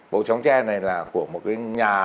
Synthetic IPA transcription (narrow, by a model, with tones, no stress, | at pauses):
ɓo̰˧˨t͡ɕa˨˦wŋ͡mt͡ɕɛ˧na˨˩jlaː˨˩ku˧˩əmo˨˩t̚kaː˨˦jɲaː˨˩